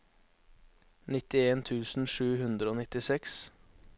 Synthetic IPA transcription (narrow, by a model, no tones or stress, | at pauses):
nɪt̪ɪeːnt̪ʰʉːsn̩ʃʉːhʉnd̪ɾəoːnɪt̪ɪsɛks